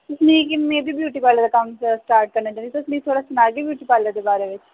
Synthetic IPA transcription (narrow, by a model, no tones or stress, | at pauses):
t̪ʊsnĩːkɪmẽːbʱiːbjuːʈiːpaːled̪aːkɐmsʈaːɾʈ̚kəɾnaːt͡ʃaːnit̪oʊsnĩit̪ʰoːɽaːsʊnaːɡibjuːʈiːpaːled̪eːbaːɾeʋɪt͡ʃ